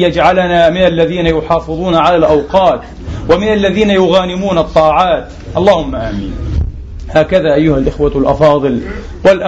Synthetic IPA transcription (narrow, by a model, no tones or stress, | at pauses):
jad͡ʒʕalanamɪnalːaðiːnajʊħɑːfɨðˤuːnaʕalaːlʔɑwqɑːt̪ | wamɪnalːaðiːnajʊɣaːnɪmuːnɑt̪ˤːɑːʕaːt̪ | ʔɑlˤːɑːhʊmːaʔaːmḭːn | haːkaðaːʔajːʊhalʔɪxwalʔɑ̰fɑːðˤɨl | walʔa